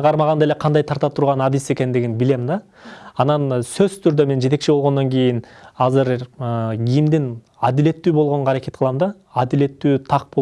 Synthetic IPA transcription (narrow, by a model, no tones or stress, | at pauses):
qʰɑɾmɑʁɑnd̪ɑeleqʰɑnd̪ɑjt̪ʰɑɾt̪ɑpt̪ʰuɾʁɑnɑd̪ise̞kʲe̞nd̪ɪɡʲɪnbɪle̞mnd̪ɑː | nɑnsɵzt̪ʰʏɾd̪e̞me̞nd͡ʒee̞k̚ʃibo̞lˠʁond̪oŋkʲʰe̞jɪnɑzɨɾ | ɡʲijɪmd̪ɪn | ɑd̪ɪle̞t̪ːyːbolˠʁo̞ɴʁɑːɾekʲe̞t̪̚qʰlˠɑmd̪ɑː | d̪ɪle̞t̪ːyːt̪ʰɑq̚bo